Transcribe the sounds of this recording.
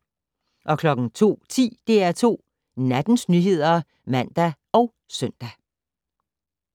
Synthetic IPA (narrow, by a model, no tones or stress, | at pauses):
ʔɒ̽kʰlɒ̽ɡ̥ŋ̩t͡sʰo̝̰ːt͡sʰḭːd̥e̝æɐt͡sʰo̝̰ː | næd̥n̩snyɦe̝ð̞̰ˠɐ | mæn̰d̥æ | ɒ̽ʊ | sœn̰d̥æ